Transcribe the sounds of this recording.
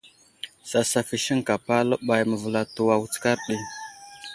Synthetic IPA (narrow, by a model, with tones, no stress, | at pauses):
sa˨sa˨fi˨ʃi˦ŋka˨pa˦lə˦ɓa˨jmə˨və˨la˨tu˨wa˨wu˦t͡ska˦ɾɗi˦